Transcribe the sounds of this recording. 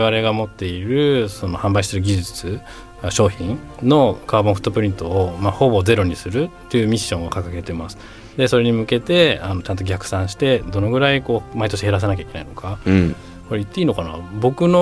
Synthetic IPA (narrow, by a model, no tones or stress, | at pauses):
eβaɾe̞ɡamo̞t̪ːe̞iɾɯ̟so̞no̞hãmbaiɕiseɾɯ̟ɡʲiʑit͡sɨ | ɕo̞ːçĩnno̞kʰaːbõɸɯ̟̥t̪ːopɯ̟ɾʲĩnt̪o̞omaho̞bo̞d͡ze̞ɾo̞ɲ̟isɨɾɯ̟t̪ːe̞iɯ̟mʲiɕːõ̞ɰ̃okakake̞t̪e̞masɨ̥ | d̪e̞so̞ɾe̞ɲ̟imɯ̟ke̞t̪e̞ano̞t͡ɕãnt̪o̞ɡʲakɯ̟̥sãɰ̃ɕi̥t̪e̞d̪o̞no̞ɡɯ̟ɾaiko̞ːmait̪o̞ɕihe̞ɾas̬enak̬ʲai̥kenaino̞ka | koɾeit̪ːe̞iːno̞kana̰bo̞kɯ̟no